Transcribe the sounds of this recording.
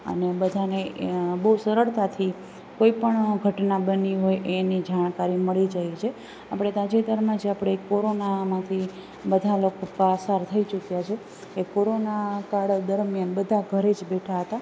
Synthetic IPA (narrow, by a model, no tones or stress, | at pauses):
ə̰nebəd̪ʱanebəusəɾəɭt̪at̪ʰi | koipəɳɡʱəʈnabəniɦojʔenid͡ʒaɳ̃kaɾiməɭid͡ʒaɦit͡ʃʰe | apɽ̃ed̪ad͡ʒit̪əɾmãd͡ʒeapɽ̃ekːoɾonamãt̪ʰi | bəd̪ʱalokopəsaɾt̪ʰəit͡ʃukjat͡ʃʰe | kekoɾonakaɽd̪əɾmjanbəd̪ʱaɡʱəɾed͡ʒbeʈʰaɦət̪a